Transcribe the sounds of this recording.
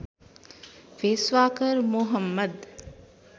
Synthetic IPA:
ʋeːsʋaːkəɾmuɦəmːəd̪

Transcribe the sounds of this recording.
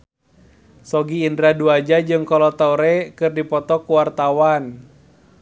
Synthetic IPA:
sɔɡiːndɾaduad͡ʒad͡ʒɨŋkɔlɔt̪auɾɛkɨrdipɔt̪ɔkuwart̪awan

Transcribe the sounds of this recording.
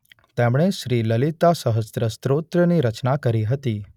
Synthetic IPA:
t̪emɽ̃eʃɾiləlit̪asəɦəst̪ɾəst̪ɾot̪ɾəniɾət͡ʃnakəɾiɦət̪i

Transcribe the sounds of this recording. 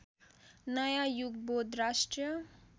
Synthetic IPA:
nʌjajuɡbod̪ɾasʈɾijʌ

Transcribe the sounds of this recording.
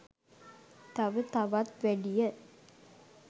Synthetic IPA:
t̪ɐʋət̪ɐʋɐt̪ʋæɖijɐ

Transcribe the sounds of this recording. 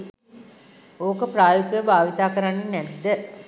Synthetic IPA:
oːkəpraːjokujəbʱaːʋit̪aːkəɾanːənɛd̪ːə

